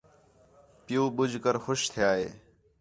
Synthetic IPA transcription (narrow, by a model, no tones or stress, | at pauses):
pɪjuːɓʊd͡ʒʱkəɾxʊʃt̪ʰjaːɦḛː